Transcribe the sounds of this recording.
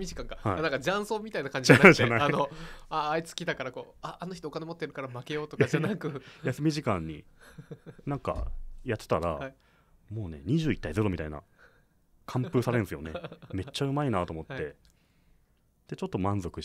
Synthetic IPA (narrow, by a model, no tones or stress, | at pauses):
mʲiʑikãŋkahanãŋkad͡ʑãɰ̃so̞ːmʲit̪ainakãɲd͡ʑiianad͡ʑaaainoaːit͡sɨ̥kʲid̪akaɾako̞aːnoçi̥t̪oːkanemo̞t̪ːeɾɯ̟kaɾamake̞jo̞ːt̪o̥ad͡ʑanakɯ̟jasɨmʲiʑikãɲ̟ːḭ | nãŋka̰jat̪ːe̥t̪aɾa̰ | mo̞ːne̞̰ɲ̟iʑɨːit̪ːaize̞ɾo̞mʲit̪aina̰ | kʰãmpɯ̟ːsaɾẽ̞ñsɨjo̞neme̞t͡ɕːaɯ̟mainaːt̪o̞mo̞t̪ːe̞ | d̪̥e̞t͡ɕo̞t̪ːo̞mãnzo̞kɯ̟